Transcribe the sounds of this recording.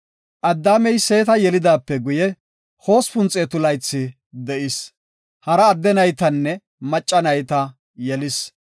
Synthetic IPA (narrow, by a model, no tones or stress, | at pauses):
ʔɐd̪ːaːmɛjse̞ːt̪ɐjɛlɪd̪aːpːɛɡʊjɛ | ho̞ːspʊnt͡sʼeːt̪ʊlɐjt͡sːɪ | d̪ɛʔɪs | hɐɾɐːd̪ːɛnɐjt̪ɐnːɛ | mɐt͡ʃʼːɐnɐjt̪ɐ | jɛlɪs